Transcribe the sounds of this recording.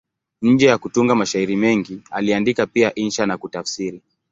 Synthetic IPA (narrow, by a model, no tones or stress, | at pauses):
ɲ̩d͡ʒɛjakutuŋɡamaʃaiɾimɛŋɡialiandikapiaʔinʃanakutafsiɾi